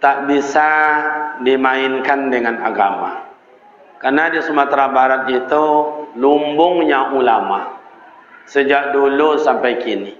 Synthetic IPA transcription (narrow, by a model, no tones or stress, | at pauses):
t̪aʔbisa | dimaɪnkandəŋanaɡama̰ | karnadisəmat̪ɾabaɾat̪̚it̪ulumbʊŋjaʔulama | səd͡ʒaʔ̚dulusampajkini